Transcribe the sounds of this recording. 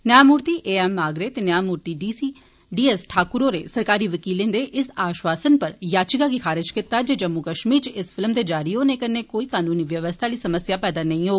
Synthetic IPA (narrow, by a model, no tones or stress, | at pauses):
njaːmuːɾt̪iːʔeːɛːmːaːɡɾeːt̪enjaːmuːɾt̪iːɖiːsiː | ɖiːɛsʈʰaːkʊɾoːɾeːsəɾkaːɾiːʋəkiːlɪ̃nd̪eːʔɪsaːʃʋaːsənpəɾjaːt͡ʃɪkaːɡikʰaːɾɪd͡ʒkɪt̪aːd͡ʒeːd͡ʒəmːukəʃmiːɾt͡ʃɪspʰɪlmd̪eːd͡ʒaːɾiɦoːnẽːkəneːkoːiːkaːnũːniːʋjəʋəst̪ʰaːliːsəməsjaːpɛːd̪aːnəĩːɦoː